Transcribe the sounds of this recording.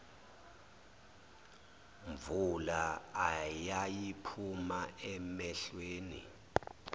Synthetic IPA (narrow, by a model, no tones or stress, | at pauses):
ɱvulaː | jajipʰumaɛmɛɬweːnḭ